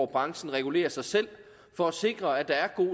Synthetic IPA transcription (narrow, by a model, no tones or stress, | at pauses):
b̥ʁɑ̈ŋsn̩ʁɛɡ̥ule̝̰ːɐsɑ̈ɪsel̰ | fɒ̽æse̝ɡ̥ʁɐæd̥ɑ̈æɐɡ̥o̝̰ː